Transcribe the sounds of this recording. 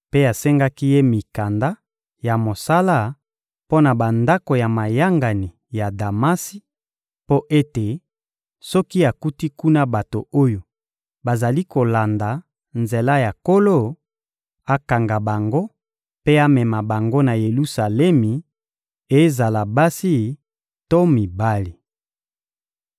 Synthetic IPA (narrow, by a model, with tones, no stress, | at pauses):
pe˦a˨sɛ˦ŋɡa˦ki˦je˦mi˨ka˨nda˦ | ja˨mo˨sa˦la˦ | po˦na˨ba˨nda˦ko˨ja˨ma˨ja˦ŋɡa˨ni˨ | ja˨da˨ma˦si˦ | po˦ʔe˦te˨ | sɔ˦ki˦a˨ku˦ti˦ku˦na˦ba˨to˨o˦jo˨ | ba˨za˨li˦ko˨la˨nda˨ | nze˨la˦ja˨ko˦lo˦˨ | a˦ka˨ŋɡa˨ba˨ŋɡo˦ | pe˦a˦mɛ˨ma˨ba˨ŋɡo˦na˨je˨lu˦sa˨lɛ˦mi˨ | e˦za˨la˨ba˦si˦ | to˦mi˨ba˦li˨